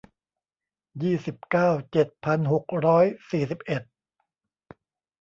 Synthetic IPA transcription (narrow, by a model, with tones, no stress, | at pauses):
jiː˥˩si˨˩p̚kaː˥˩wt͡ɕe˨˩t̪̚pʰa˧nɦo˨˩k̚ɾɔː˦˥jsiː˨˩si˨˩p̚ʔe˨˩t̪̚